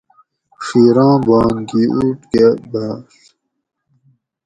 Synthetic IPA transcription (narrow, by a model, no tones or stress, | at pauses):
ʂiːɾɑ̃ːbɑ̃ːŋɡiːʔuːʈɡebaːs